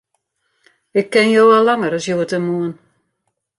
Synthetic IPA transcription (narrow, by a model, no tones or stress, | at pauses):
ɪkːɪnjoːʋalːaŋəɾɔsjoətəmuən